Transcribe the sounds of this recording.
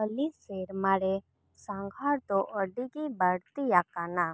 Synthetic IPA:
əliseɾmaɽe | saŋɡʱaɾt̪ɔʔəɖikibaɽt̪ijakana

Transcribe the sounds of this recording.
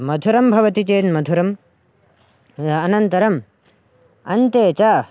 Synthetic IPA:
mɐd̪ʱuɾɐmbʱɐʋɐt̪it̪eːnmɐd̪ʱuɾɐm | ɐnɐnt̪ɐɾɐm | ɐnt̪eːt͡ʃaː

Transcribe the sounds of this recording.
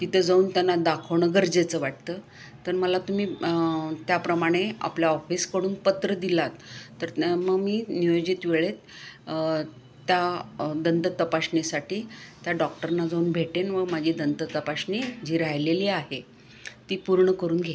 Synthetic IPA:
t̪it̪ʰəd͡zauːnt̪janːad̪akʰəʋɳəɡəɾd͡zet͡səːʋaʈ̚t̪əː | t̪əɾməlat̪umiː | t̪japɾəmaɽ̃ea̰pljaɔfiːskəɽuːnpət̪ɾəd̪ilat̪ːəɾməɡmiːnijod͡ʑit̪ʋeɭet̪ | t̪jad̪ənt̪ət̪əpaɕnesaʈiːt̪jaɖɔk̚ʈəɾnad͡zauːnbʱeʈenʋəmad͡ʑʱiːd̪ənt̪ət̪əpaɕnid͡ʑiːɾajleliːaɦe | t̪iːpuɾɳəkəɾuːnɡʱe

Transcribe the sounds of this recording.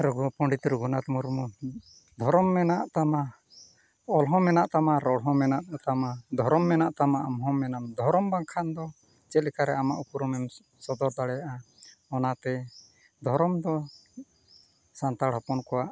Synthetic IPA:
ɾɔɡɔpɔɳɖit̪ɾuɡɔnat̪muɾmu | d̪ʱɔɾɔmːɛnaʔt̪ama | ɔlɦɔ̃mɛnaʔt̪amaɾɔɽɦɔ̃mɛnaʔt̪amad̪ʱɔɾɔmːɛnaʔt̪amaʔamɦɔmɛnamd̪ʱɔɾɔmbaŋkʰand̪ɔ | t͡ʃɛlikaɾɛamaʔupuɾɔmɛm | sɔd̪ɔɾd̪aɽɛjaʔa | ɔnat̪ɛ | d̪ʱɔɾɔmd̪ɔ | sant̪aɽɦɔpɔnkɔwaʔ

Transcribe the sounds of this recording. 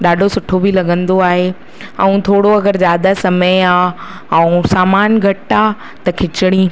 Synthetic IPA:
ɗaːɖʱosʊʈʰobʱilɐɡə̃nd̪oaːɦe | ɛ̃ũt̪ʰoːɽoɐɡəɾzjaːd̪asɐməjaː | ɛ̃ũsaːmaːnɡʱɐʈa | t̪ɐkʰɪt͡ɕɪɽ̃ĩː

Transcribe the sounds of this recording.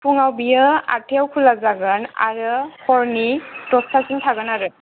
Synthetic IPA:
pʰuŋawbijəa̰tʰɛwkʰulazaɡɯna̰ɹɯhʰɔɹnitɔsasintʰaɡɯnaɹɯ

